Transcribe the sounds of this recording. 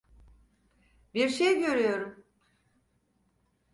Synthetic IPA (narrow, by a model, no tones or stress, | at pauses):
biɾʃejɟø̞ɾyjo̞ɾum